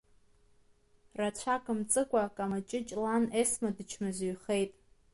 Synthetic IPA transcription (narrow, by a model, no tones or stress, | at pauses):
rat͡ɕʷʰakʼɨmt͡sʼɨkʷʼakʼamat͡ʃʼɪt͡ʃʼlanesmadɨt͡ʃʰmɨzɥχe̞jtʼ